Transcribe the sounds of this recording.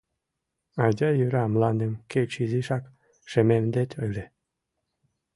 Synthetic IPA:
ad̪ʲajyɾamlanemket͡ʃʰiziʃak | ʃememd̪et̪ʰʲojle

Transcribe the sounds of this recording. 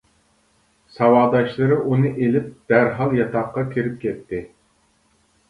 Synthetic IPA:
sɑwɑːd̪ɑʃlˠɨɾɨʔunɨʔelɪp̚d̪̥æɾɦɑlˠjɑt̪ʰɑqːɑkʲʰiɾɪp̚kʲʰɛt̪ʰːɪ

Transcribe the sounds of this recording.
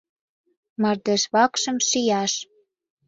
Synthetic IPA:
mɑrd̪eʃβɑkʃə̆mʃijɑʃ

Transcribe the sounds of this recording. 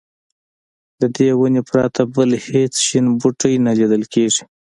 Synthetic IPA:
d̪əd̪ewʊnepɾɑt̪ʰabəlhet͡sʃinbuʈəjnalid̪əlkeʐi̥

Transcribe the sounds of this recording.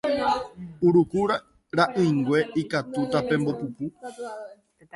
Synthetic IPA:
uɾukuɾa | ɾaʔɨ̃iŋɡwe̞ikat̪ut̪apẽ̞mbopupu

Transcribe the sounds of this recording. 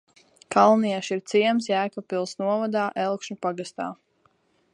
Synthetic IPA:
kalˠniɛʃiɾt̪siɛms̬jæːkapilˠsnuɔvad̪aːʔɛlˠkʃupaɡast̪a̰ː

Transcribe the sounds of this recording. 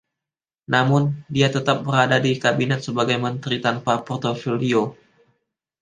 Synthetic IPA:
namʊndiat̪ət̪ap̚bəɾadadikabinɛt̪̚səbaɡajmənt̪ɾit̪anpapɔrt̪ofolio

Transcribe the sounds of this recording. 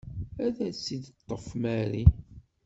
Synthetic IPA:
æðæsid̪t̪ˤːəfmæɾi

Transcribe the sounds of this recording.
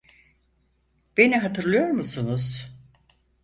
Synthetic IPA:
b̥eniɦat̪ʰɯɾlˠɯjo̞ɾmusunuz̥

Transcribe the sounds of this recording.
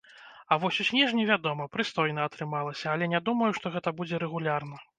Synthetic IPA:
avɔsʲusʲnʲɛʐnʲɛvʲad̪ɔmɐpɾɨst̪ɔjn̪ɐɐt̪ɾɨmalˠɐsʲɐːlʲɛnʲad̪umɐjuʂt̪ɔɣɛt̪ɐbud͡zʲɛɾɛɣulʲarnɐ

